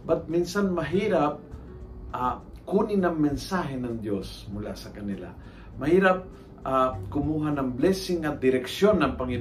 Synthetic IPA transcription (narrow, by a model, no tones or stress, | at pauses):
bat̪̚minsanmɐɦiːɾap̚ | ʔakuːnɪnɐŋmɛnsaːɦɛnɐŋd̪josmʊla̰sɐkɐnɪla̰ | mɐhiːɾap̚ | akʊmuːɦanɐŋblɛsɪŋːɐd̪ɪɾɛksjonːɐŋpɐŋɪn